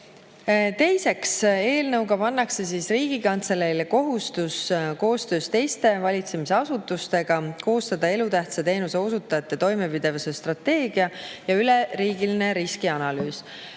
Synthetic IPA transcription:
t̪e̞jse̞kse̞ːlnɤwɡɑpɑnːɑkse̞siːsriːɡ̥ikɑnt̪selelko̞ɦust̪usko̞ːst̪øːst̪e̞jst̪e̞vɑlʲit̪se̞mise̞ɑsut̪ːˑust̪e̞ɡ̥ɑko̞ːst̪ɑd̪̥ɑe̞lut̪æht̪sɑt̪e̞ːnuse̞osut̪ːˑɑjɑt̪ːe̞t̪o̞jme̞pid̪̥e̞vuse̞st̪rɑt̪ːe̞ːɡ̥iɑjɑyleɾiːɡiline̞ɾiskiɑnɑlyːs

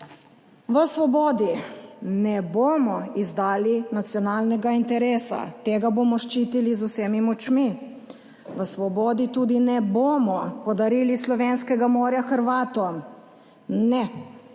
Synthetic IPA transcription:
ʋəsʋɔbɔːd̪inɛboːmɔizd̪aːlinat̪sjɔnaːlnɛɡaint̪ɛɾeːsa̰t̪eːɡabomɔʃt͡ʃiːt̪ilizuseːmimɔt͡ʃmi | ʋəsʋɔbɔːd̪it̪uːd̪inɛboːmɔpɔd̪aɾilislɔʋeːnskɛɡamoːɾjaxəɾʋaːt̪ɔ | nɛ

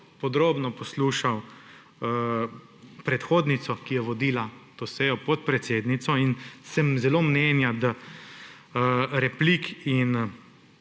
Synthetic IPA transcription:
pɔd̪ɾoːbnɔpɔsluːʃaw | pɾɛt̪xoːd̪nit̪sɔkijɛʋɔd̪iːlat̪osɛjɔpɔt̪̚pɾɛt̪seːd̪nit̪sɔinsɛmzɛloːmneːnjad̪a | ɾɛplikin

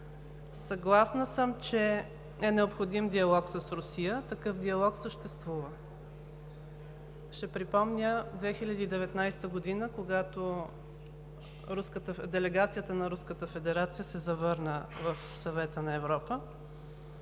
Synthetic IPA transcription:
sɐɡlˠasnəsəmt͡ʃɛ | ɛnɛopxod̪imd̪iɐlˠɔksəsɾʊsijət̪ɐkɤfd̪iɐlˠɔksəʃt̪ɛst̪vuvə | ʃɛpɾipɔmnʲəd̪vɛxilʲɐd̪iːd̪ɛvɛt̪najst̪əɡod̪inəkoɡat̪o | ɾuskət̪əd̪ɛlɛɡat̪sijət̪ənɐɾuskət̪əfɛd̪ɛɾat̪sijəsɛzɐvɤɾnəvəfsɐvɛt̪ənɐɛvɾɔpə

